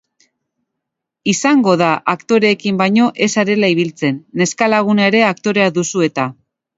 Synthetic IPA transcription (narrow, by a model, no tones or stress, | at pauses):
isaŋɡo̞ðaʔakt̪o̞ɾe̞ːkimbajɲo̞ʔe̞saɾe̞laiβ̞ilt͡se̞nːe̞skalaɣ̞unaeɾe̞akt̪o̞ɾe̞aðusue̞t̪a